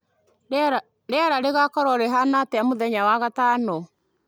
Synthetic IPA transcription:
ɾɛaɾaɾeɣakɔɾɔɾɛɦanatɛamoðɛɲawaɣatanɔ

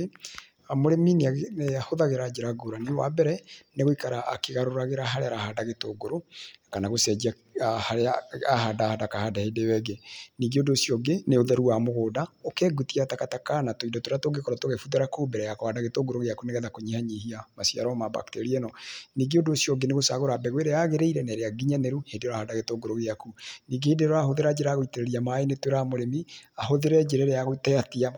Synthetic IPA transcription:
amoɾemineahoðaɣeɾad͡ʒeɾaɡoɾanewa̰bɛɾɛneɣoikaɾa̰ːkeɣaɾoɾaɣeɾaɦaɾeaɾahadaɣetoːɡoɾokanaɣosɛd͡ʒia | haɾeaahadahadakahadahedewɛɡeniːɡeodoːsiɔɡeneoðɛɾuamoɣoːdaokɛːɡutiatakatakanatoidɔtoɾatoɡekɔɾɔtoɣefuðaɾakoːbɛɾɛjakɔhadaɣetoŋɡoɾoɣeakuneɣɛðakoɲehaɲihiamasia̰ɾɔmaba̰kteɾiɛnɔniːɡeodoːsiɔɡeneɣosaɣoɾabɛɣweɾeaɣeɾeiɾɛnɛɾeaɡiɲaneɾuhedeɾoahadaɣetoŋɡoɾoɣeakuniːɡehedeɾoaɦoðeɾad͡ʒeɾaɣoiteɾɛɾiamaenetweɾamoɾemiaɦoðeɾɛd͡ʒeɾɛɾeaɣoitɛatia

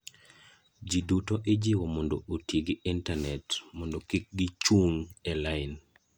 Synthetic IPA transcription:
d͡ʒidutoʔed͡ʒiwɔmɔndootjeɡɪintanɛtmɔndokɪk̚ɡit͡ʃuŋɛlaɪn

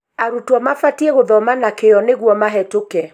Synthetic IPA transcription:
aɾutwɔmafatieɣoðɔmanakeɔneɣwɔmaɦɛtokɛ

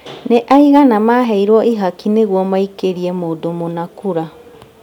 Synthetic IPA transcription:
neʔaiɣanamaɦɛiɾwɔʔiɦakineɣwɔmaikeɾiɛmoːdomonakuɾa

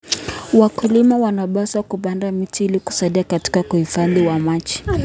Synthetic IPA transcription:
wakulimawanaɓasakupandamitiiliku̥saɗiakati̥kakuhifaðiwamat͡ʃi̥

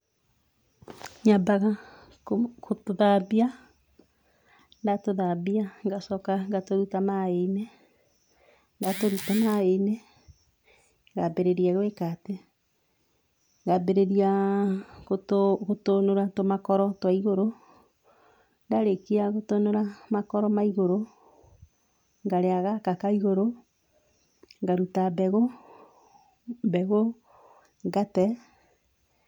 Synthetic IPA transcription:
ɲabaɣa | kotoðaβia | ndatoðaβiaŋɡasɔkaŋɡatoɾutamaene | ndatoɾutamaene | ŋɡabeɾeɾiaɣwekate | ŋɡabeɾeɾia | oɣotonoɾatomakɔɾɔtwaiɣoɾo | ndaɾekiaɣotonoɾamakɔɾɔmaiɣoɾo | ŋɡaɾeaɣakakaiɣoɾo | ŋɡaɾutabɛɣo | bɛɣo | ŋɡatɛ

